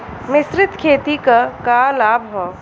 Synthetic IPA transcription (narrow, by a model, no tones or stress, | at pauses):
mɪsɾɪt̪kʰeːt̪ikakaːlaːbʱɦɔ